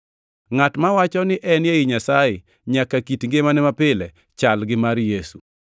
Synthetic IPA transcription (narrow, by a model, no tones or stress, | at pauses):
ŋatmawat͡ʃɔnɪʔɛnjeɪɲasajɪ | ɲakakitŋɡemanɛmapɪlɛ | t͡ʃalɡɪmaɾjesṵ